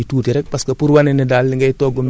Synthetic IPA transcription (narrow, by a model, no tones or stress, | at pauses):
ituːtiɾɛk̚paskɐpuɾwanɛnidaːlːiŋɡɐjtɔːɡum